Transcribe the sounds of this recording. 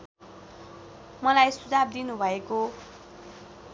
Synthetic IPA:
mʌlajsud͡zab̚d̪inubʱʌeko

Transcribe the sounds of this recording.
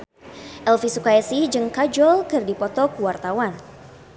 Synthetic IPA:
ʔɛlfisukaɛsid͡ʒɨŋkad͡ʒɔlkɨrdipɔt̪ɔkwart̪awan

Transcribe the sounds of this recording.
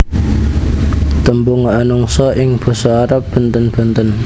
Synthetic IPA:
t̪əmbʊŋanʊŋsɔʔɪŋb̥ə̤sɔaɾap̚b̥ənt̪ənb̥ənt̪ən

